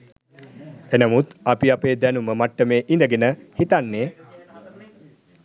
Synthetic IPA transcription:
enəmut̪apiapeːd̪ænuməmaʈːəmeːʔind̪əɡenəhit̪anːeː

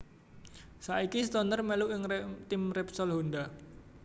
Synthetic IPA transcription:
saʔikist̪ɔnərmeluʔɪŋt̪ɪmrɛpsɔlɦonda

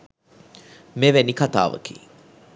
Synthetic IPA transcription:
meʋænikat̪a̰ːʋə̰kḭː

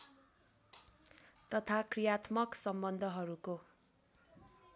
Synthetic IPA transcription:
t̪ʌt̪ʰakrijat̪mʌksʌmbʌnd̪ʱʌɦʌɾuko

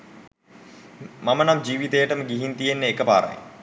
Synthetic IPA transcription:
mamənamd͡ʒiːʋit̪ejəʈəməɡiɦint̪ijenːəekəpa̰ːɾə̰jḛ

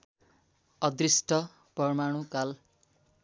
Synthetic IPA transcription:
ʌd̪risʈʰʌ | pʌrmaɽ̃ukal

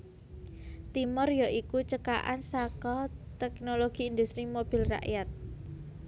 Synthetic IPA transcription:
t̪imɔrjɔʔikut͡ʃəka̰ʔa̰nsakɔt̪ɛk̚noloɡ̥i̤ind̪ust̪ɾimob̥i̤lra̰ʔjat̪̚

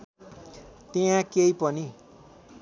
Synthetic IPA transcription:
t̪eãkeipʌni

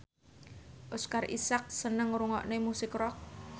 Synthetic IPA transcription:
ʔoskarʔḭsak̚sənəŋɾuŋɔ̰ʔnemusɪkrɔk̚

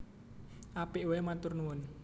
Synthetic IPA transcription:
ʔapiʔowemat̪ʊrnuwʊn

